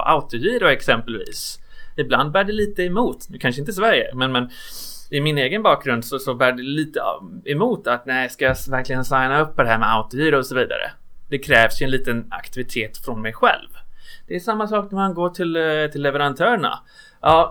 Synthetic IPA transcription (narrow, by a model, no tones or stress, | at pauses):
ʔa̰ʊt̪ʊjiːɾʊɛksɛmpɛlvḭːsɪbland̪̚bæːɖɛliːt̪əɛmuːt̪nʉ̟kʰanʂəɪnt̪əs̬væɾjə̰mɛnmɛnɪmɪneːɡənbɑːk̚ɡɾɵnd̪sɔsɔbæːɖɛliːt̪ə̰ɛmuːt̪at̪nɛɪskajavæɾklɪɡənsajnaɵpːɔd̪ɛhæːɾmɛa̰ʊt̪ʊjiːɾʊɔsɔviːd̪a̰ɾə̰ | d̪̥ɛkʰɾɛːvsjɵɛnliːt̪əna̰kt̪ɪvɪt̪ʰeːt̪fɾɔnmɛjɧɛ̰lvd̪̥ɛːsamːasɑːknæmanɡoːʈʰɪlt̪ʰɪlːɛvəɾant̪ʰœːɾɳa̰ | ʔɑː